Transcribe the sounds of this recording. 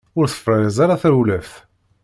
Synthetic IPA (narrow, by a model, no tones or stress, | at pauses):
ʊɾθə̥fɾˤəɾəzˤaɾaθɾulæfθ